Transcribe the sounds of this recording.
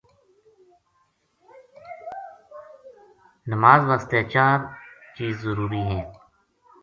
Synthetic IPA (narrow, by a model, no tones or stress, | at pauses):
nəmaːzʋast̪eːt͡ʃaːɾt͡ʃiːzːəɾuːɾiːɦɛ̃ː